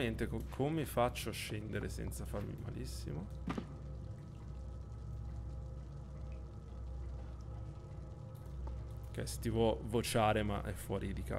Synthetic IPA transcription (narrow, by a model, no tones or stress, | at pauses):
ent̪ekkʰomemːifat͡ʃːoʃːɛnd̪eɾesɛ̰nt̪safarmḭma̰lisːḭmo | k̟ḛse̥t̪ːivwɔvot͡ʃaːɾema̰ʔɛfːwɔːɾʔid̪ika̰